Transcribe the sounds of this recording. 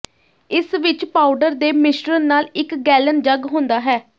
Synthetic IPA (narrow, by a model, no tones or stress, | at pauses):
ɪsʋɪt͡ʃpaːʊɖəɾd̪eːmɪʃʈɾənnːaːlɪkɡɛːlənd͡ʒəɡɦʊ̃nd̪aːɦɛː